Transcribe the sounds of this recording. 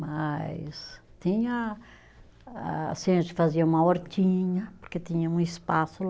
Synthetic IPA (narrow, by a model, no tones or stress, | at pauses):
majst̪ĩɲɐ | a̰sẽʒɪfaziɐũmɐɔɾt̪ĩɲɐpoɾket̪ĩɲɐũispasʊ